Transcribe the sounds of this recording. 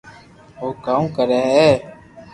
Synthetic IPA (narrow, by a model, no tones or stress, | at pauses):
oːkaːũːkəɾɛːɦɛː